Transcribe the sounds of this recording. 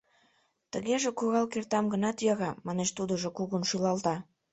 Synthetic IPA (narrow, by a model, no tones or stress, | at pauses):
t̪əɣeʒekuɣɑlkert̪ɑmɡə̆nɑt̪jɑɣɑmɑneʃt̪ud̪oʒokuɣunʃylɑlt̪ɑ